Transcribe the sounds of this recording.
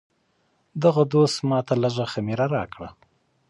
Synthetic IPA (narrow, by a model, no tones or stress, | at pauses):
d̪aɣad̪ost̪mɑt̪ʰaləʒaxamiɾaɾɑkɽa